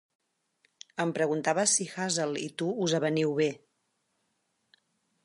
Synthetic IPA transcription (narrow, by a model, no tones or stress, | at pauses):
əmpɾəɣunt̪aβəsixazəlḭt̪uuzəβəniwβe